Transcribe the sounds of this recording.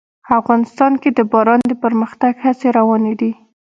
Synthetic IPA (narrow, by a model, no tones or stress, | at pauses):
afɣɑnɪst̪ɑnked̪əbɑɾɑnd̪əpəɾməxt̪aɡhat͡seɾawɑned̪i